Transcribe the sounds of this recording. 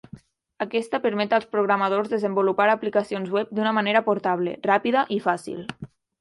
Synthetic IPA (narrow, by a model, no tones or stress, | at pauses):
akɛst̪əpəɾmɛt̪alˠspɾuɣɾamað̞orzðəzəmbulupaɾaplikasionzwɛp̚d̪unəmaneɾapoɾt̪aβ̞lḛrapiðəʔifasḭlˠ